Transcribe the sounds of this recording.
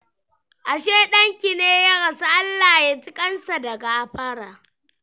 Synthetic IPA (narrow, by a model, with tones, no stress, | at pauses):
ʔa˨ʃeː˦ɗɐ˦ŋkʲi˨neː˦ja˦ɽɐ˨sa˦ʔa˦lːaː˨je˦d͡ʒɪ˦kʼɐ˦nsa˨dɐ˨ɡa˨ʔa˨ɸɐ˦ɽaː˨